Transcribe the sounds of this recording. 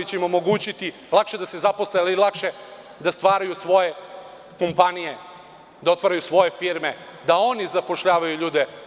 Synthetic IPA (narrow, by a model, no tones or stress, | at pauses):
it͡ɕeimo̞mo̞ɡuːt͡ɕit̪i | lˠakʃed̪asezaposlealilˠakʃe̞ | d̪ast̪ʋaːɾajusʋo̞je | ko̞mpanije | d̪ao̞t̪ʋaːɾajusʋo̞jefiːɾme | d̪ao̞nizapo̞ʃʎaːʋajuʎuːd̪e